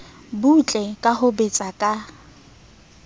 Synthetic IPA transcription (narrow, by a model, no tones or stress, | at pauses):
but͡ɬʼɛkʼaɦʊbet͡sʼakʼa